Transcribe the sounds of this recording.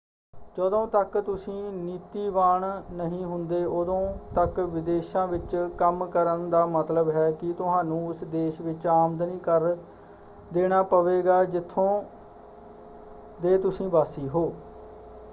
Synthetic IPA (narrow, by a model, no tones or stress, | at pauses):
d͡ʒəd̪õːt̪əkt̪ʊsĩːniːt̪iːʋaːɳnəɦĩːɦʊnd̪eːʔod̪õːt̪əkʋɪd̪eːʃãːʋɪt͡ʃkəmkəɾənd̪aːmət̪ləbɦɛːkɪt̪ʊɦãːnũːɪsd̪eːʃʋɪt͡ʃaːmd̪nĩːkəɾ | d̪eːɽ̃aːpəʋeːɡaːd͡ʒɪt̪ʰːõː | d̪eːt̪ʊsĩːbaːsiːɦoː